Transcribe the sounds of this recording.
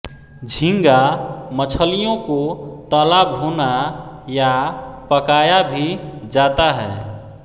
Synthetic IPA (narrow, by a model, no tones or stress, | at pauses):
d͡ʒʱĩŋɡamət͡ʃʰəlijõkot̪əːlabɦonajapəkaːjabʱid͡ʒaːt̪aɦɛː